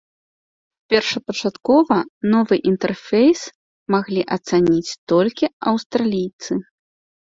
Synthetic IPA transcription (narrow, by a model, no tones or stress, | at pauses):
pʲɛrʂɐpɐt͡ʂat̪kɔvɐnɔvɨʔint̪ɛrfʲɛjs | maɣlʲiʔɐt̪sanʲit͡sʲt̪ɔlʲkʲiɐwst̪ɾalʲijt̪sɨ